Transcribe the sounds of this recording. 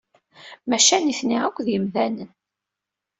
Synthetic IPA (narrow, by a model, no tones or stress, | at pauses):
mæʃæniθniʁækʷðjəmðænən